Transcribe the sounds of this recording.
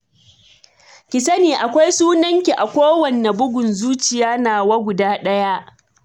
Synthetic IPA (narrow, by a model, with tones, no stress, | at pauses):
kʲɪ˨sɐ˦neː˨ʔa˨kʷa˦jsuː˦nɐ˦ŋkʲi˨ʔa˨kʷoː˦wɐ˨nːe˨bʊ˦ɡʷʊ˨nzuː˦t͡ʃɪ˨jaː˦naː˨wa˦ɡʷʊ˨daː˦ɗɐ˦ja˦ʔ